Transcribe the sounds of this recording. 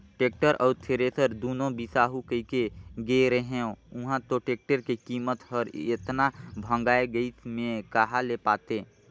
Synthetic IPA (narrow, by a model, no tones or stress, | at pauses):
ʈeːk̚ʈəɾʔɔːɾt̪ʰeɾesʰəɾd̪uːnõbisaːɦukəikeɡeɾəɦẽõʊɦãt̪oʈeːk̚ʈəɾkekiːmət̪ɦəɾet̪nabʱə̃ŋɡaːeɡəimẽkaɦalepaːt̪e